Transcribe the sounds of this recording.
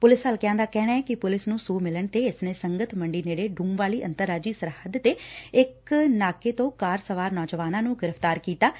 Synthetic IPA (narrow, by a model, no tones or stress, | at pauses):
pʊlɪsɦaːlkɪjɛ̃ãnd̪aːkɛːɽ̃aːɛːkɪpʊlɪsnũːsuːmɪləɳt̪eːɪsneːsəŋɡət̪məɳɖiːneːɽeːɖʱũːmʋaːliːʔə̰nt̪əɾːaːd͡ʒiːsəɾhəd̪t̪eːɪknaːkeːt̪õːkaːɾsəʋaːɾnɔːd͡ʒʋaːnãːnũːɡɪɾəft̪aːɾkiːt̪aː